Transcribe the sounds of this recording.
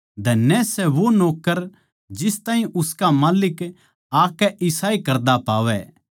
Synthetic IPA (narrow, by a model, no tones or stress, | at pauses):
d̪ʱɐnːɛsɛʋonoːkːəɾ | d͡ʒɪst̪aːɦĩʔʊskamaːlɪk | aːkːɛʔɪsaːikɐɾd̪apaːʋɛ